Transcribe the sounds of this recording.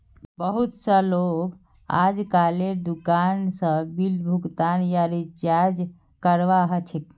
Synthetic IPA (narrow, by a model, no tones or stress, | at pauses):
bəɦut̪səlob | a̰d͡ʒkaled̪ukansə̃bilbʱukt̪anjaɾit͡ʃaɾd͡ʒ | kəɾʋaɦət͡ʃʰek